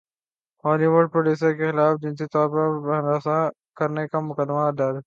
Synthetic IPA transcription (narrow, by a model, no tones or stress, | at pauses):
hoːliʋəɖ̚pɾoːɖuːs̬əɾkexɪlaːfd͡ʒɪ̃nsit̪ɔːɾpɐɾbɐnɾaːsa | kɐɾnekamʊkəd̪mad̪aːd̪